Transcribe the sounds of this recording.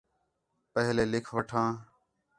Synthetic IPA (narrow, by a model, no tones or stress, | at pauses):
pəɦleːlɪkʰʋəʈʰãː